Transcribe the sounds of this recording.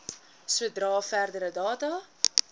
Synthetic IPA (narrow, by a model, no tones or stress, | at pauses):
suədrɑːfærdəɾədɑːtɐ